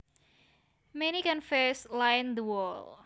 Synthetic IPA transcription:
menikɛ̃nfɛslajnd̪əwɔl

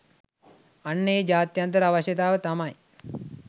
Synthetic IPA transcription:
ɐnːejd͡ʒaːt̪jɐnt̪̬ɐɾaʋɐʃɐt̪aːʋɐt̪ɐmɐj

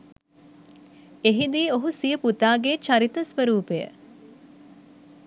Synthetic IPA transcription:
eɦid̪iːoɦusijəput̪aːɡet͡ʃaɾit̪əsʋəɾuːpejə̰

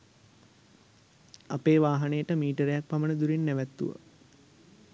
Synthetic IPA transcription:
apeːʋaːɦanejəʈəmiːʈəɾejak̚pamənəd̪uɾinːæʋæt̪ːṵʋə̰

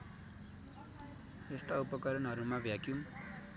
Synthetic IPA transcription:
est̪aupʌkʌɾʌnɦʌɾumabʱjakju

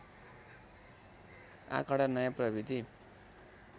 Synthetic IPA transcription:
ã̰kaɽanʌjãprʌbid̪i

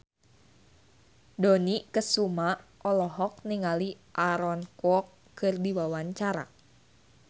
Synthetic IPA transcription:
donikəsumaʔɔlɔɦɔk̚niŋali | ʔaɾɔnkwɔkː | ɨrdiwawaɲt͡ʃaɾa̰

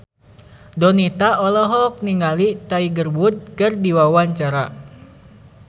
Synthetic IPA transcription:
dɔnit̪aɔlɔɦɔk̚niŋalit̪aiɡərbud̪̚kɨrdiwawaɲt͡ʃaɾa̰

